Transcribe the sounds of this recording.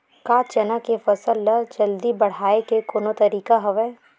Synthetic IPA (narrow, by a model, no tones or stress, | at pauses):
kaːt͡ʃɐnakefɐsəlːəd͡ʒɐld̪ibɐɽ̤aːekekoːnot̪ɐɾiːkaɦɐʋɛː